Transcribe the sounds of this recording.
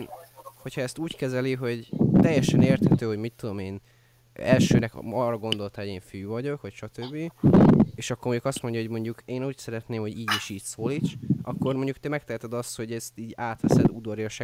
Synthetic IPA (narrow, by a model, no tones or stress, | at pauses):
nho̞chɒɛst̪uːckɛzɛliɦo̞ɟt̪ɛjːɛʃɛneːrt̪hɛt̪øːɦo̞ɟmit̪ːud̪o̞meːn | ɛlʃøːnɛkɒrːɒɡo̞nd̪o̞lt̪ɑoeːɱfyːvɒɟo̞kʋɒcʃɒt̪øbːi | eːʃɒkːoːrmo̞ɲɟukɒst̪mo̞ɲɟɒɦo̞ɟmo̞ɲɟukeːnuːcsɛɾɛt̪neːmho̞ɟiːɟiʃiːcsoːliːt̪ʃʔɒkːo̞rmo̞ɲɟukt̪ɛmɛk̚t̪ɛɛt̪ɛd̪ɒst̪ho̞ɟɛst̪iːɟaːt̪ʋɛ̰sɛ̰d̪ud̪oɾjɒʃɛ